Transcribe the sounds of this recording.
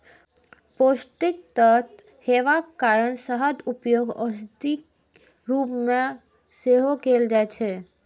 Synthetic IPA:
posʈik̚t̪ət̪ | heʋakaɾəɳsəɦəd̪upjoɡɔst̪ik | ɾupmã | seɦokeld͡ʒajt͡ʃʰe

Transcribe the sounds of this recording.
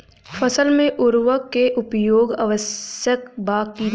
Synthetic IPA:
fʰəsəlmẽʔʊɾwəkːeʔʊpjoːɡaʋəsjəkbaːkːi

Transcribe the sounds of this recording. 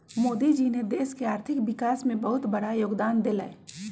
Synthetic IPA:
moːd̪id͡ʒined̪eːskeaːɾt̪ʰɪkʋɪkaːsmẽbɐɦʊt̪bɐɽajoːɡd̪aːnd̪ela̰e

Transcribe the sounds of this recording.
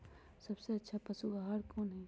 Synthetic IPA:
sɐbseɐtːʃʰapɐsuɡaɦaɾkoːnɦɛ

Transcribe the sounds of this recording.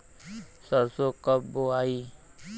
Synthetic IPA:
səɾsokəboai

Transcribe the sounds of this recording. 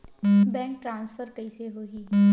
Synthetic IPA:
bɛ̃ːŋk̚ʈɾãːnsfəɾkɐiseɦoːɦiː

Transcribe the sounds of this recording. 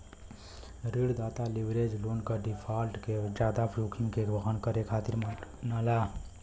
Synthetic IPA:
ɾiɽd̪aːt̪aliʋɾed͡ʒloːnkəɖipʰaːlʈked͡ʒaːd̪apʰɾuːkʰiŋɡkeɡbəɦənkəɾekʰaːt̪iɾnəla

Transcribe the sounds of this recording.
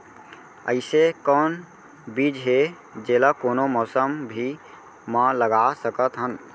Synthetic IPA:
ə̰ɪsekɔːn | biːd͡ʒɦe | d͡ʒeːlakoːnomɔːsəmbʱi | mãləɡasəkət̪ɦən

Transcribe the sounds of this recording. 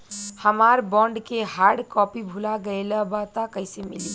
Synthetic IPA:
həmaɾbɔ̃ɳɖkeɦaɾɽkɔpibʱulaɡəjləbat̪əkəɪsemḭli

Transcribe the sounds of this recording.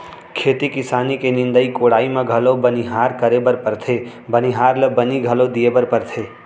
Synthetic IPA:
kʰeːt̪ikɪsaːnikenɪ̃nd̪əikoːɽaːimẽɡʱɐlobəniɦaːɾkəɾebəɾpəɾt̪ʰe | bəniɦaːɾləbəniɡʱɐlod̪iebəɾpəɾt̪ʰeː

